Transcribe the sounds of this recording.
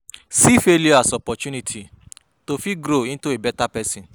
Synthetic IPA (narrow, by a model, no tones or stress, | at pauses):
sifeljoasɔpɔtũnĩtʰi | tofiɡɾoĩntuebɛtapɛsĩn